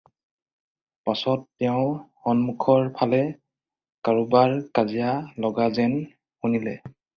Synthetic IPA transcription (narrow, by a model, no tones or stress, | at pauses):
pasɔtːɛʊ̃xɔnmukʰɔɹpʰalɛ | kaɹubaɹkazijalɔɡazɛn | xunilɛ̰